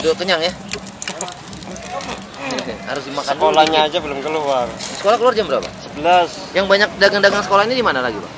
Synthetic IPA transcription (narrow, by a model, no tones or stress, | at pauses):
dot̪əɲaŋja | kḛha̰ɾʊsdimaksaənkolaɲaːd͡ʒabəlʊmkəluarsə̥kolahkəluard͡ʒambəɾa̰pa̰səbəlas | jaŋbaɲak̚daɡaŋdaɡaŋsə̥kolahɲadimanalaɡiba̰